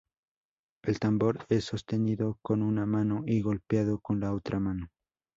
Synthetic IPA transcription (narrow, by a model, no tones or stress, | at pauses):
e̞lt̪ambo̞ɾe̞sːo̞st̪e̞niðo̞ko̞nunamanoʔiɣo̞lpjaðo̞ko̞nlaot̪ɾʔamano